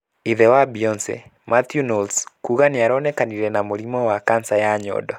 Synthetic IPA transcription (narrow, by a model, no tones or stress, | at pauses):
iðɛwabiɔnsɛ̰mat̪junɔlskuɣanɪaɾɔnɛkaniɾɛnamoɾimɔwakansajaɲɔ̰dɔ